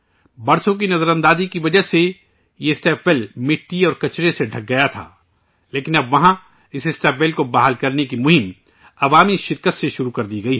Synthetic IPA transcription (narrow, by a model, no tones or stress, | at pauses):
bɐɾsõk̬inɐzəɾə̃nd̪aːzikiʋɐd͡ʒəɦse | jeɪsʈɛːpʰʋɛːlmɪʈːiɔːɾkɐt͡ʃɾeseɖʱɐk̚ɡɐjat̪ʰa̰ː | leːkɪnɐbʋɐɦã | ɪsɪsʈɛːpʰʋeːlkobaːɦəlkɐɾnekimʊɦɪm | ɐʋaːmiʃɪɾkət̪seʃʊɾukɐɾd̪iɡɐiɦɛ